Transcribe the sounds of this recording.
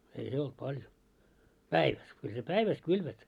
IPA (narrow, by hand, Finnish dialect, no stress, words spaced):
ei se olt pɑljo pæiʋæs kyl se pæiʋæs kylʋæt